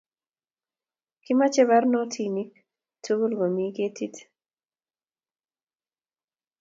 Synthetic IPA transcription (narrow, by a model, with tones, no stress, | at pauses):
kɪ˦ma˦t͡ʃɛ˦βa˦rnɔ˦tʰi˦ni˦ | tʰu˦ɡo˦lɡo˨mi˦ke˦ti˦t